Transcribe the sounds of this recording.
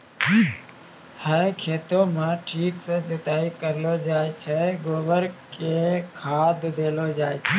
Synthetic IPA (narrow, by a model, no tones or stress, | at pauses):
həkʰeːt̪õmãʈʰiːksə̃d͡ʒət̪aːikəɾlod͡ʒaːet͡ʃʰɛɡoːʋəɾkekʰaːd̪d̪eːlod͡ʒaːet͡ʃʰɛ